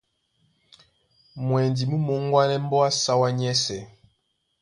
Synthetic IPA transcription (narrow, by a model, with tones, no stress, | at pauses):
mwɛ˨ndi˨mu˦mɔ˦ŋ˦ɡwa˦nɛ˦m˦bɔ˦a˦sa˦wa˦ɲɛ˦sɛ˨